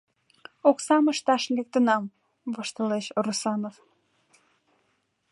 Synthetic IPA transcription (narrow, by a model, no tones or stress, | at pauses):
oksɑməʃt̪ɑʃlek̚t̪ənɑm | vəʃt̪əleʃrusɑnof